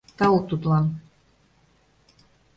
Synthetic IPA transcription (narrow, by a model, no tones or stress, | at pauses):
t̪ɑok̚t̪ut̪lɑn